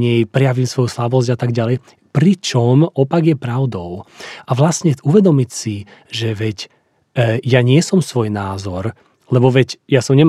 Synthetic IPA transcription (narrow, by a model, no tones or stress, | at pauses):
ɲɛjpɾɛjaʋiːmsʋɔjuslabɔzɟat̪aɡɟalɛj | pɾit͡ʃɔmɔpaɡjɛpɾaʊd̪ɔʊaʋlasɲɛuʋɛd̪ɔmicsi | ʒɛʋɛc | jaɲɪɛsɔmsʋɔjnaːzɔɾ | lɛbɔʋɛcjasɔmɲɛm